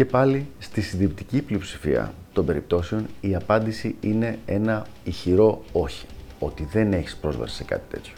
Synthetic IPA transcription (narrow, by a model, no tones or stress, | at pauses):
ce̞pɐlist̪isinðipt̪iciplio̞psi̥fḭɐ̰t̪o̞mbe̞ɾip̚t̪o̞seo̞niɐpɐnd̪isiine̞e̞nɐ | içiɾo̞o̞çi̥o̞t̪iðe̞ne̞çispɾo̞zvɐ̰si̥sekɐ̰t̪i̥t̪e̞̰t̪ço